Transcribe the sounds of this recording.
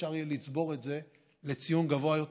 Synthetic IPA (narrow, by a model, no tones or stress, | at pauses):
aʁjelit͡sbo̞ʁe̞tze̞ | le̞t͡sijunɡavoajot